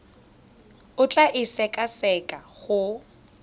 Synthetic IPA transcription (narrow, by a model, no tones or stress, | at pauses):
ʊt͡ɬʼaʔɪsɛkʼasɛkʼahʊ